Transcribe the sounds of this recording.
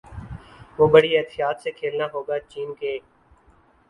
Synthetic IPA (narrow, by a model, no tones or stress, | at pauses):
ʋoːbəɽiɛt̪ɪjaːt̪sekʰeːlnaːɦoːɡaːt͡ʃiːnkeː